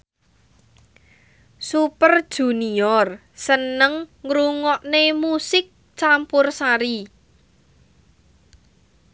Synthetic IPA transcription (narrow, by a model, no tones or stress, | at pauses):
supərd̥ʒ̥ṳniɔr | sənəŋːɾuŋɔʔnemusɪk̚ | t͡ʃampʊrsaɾi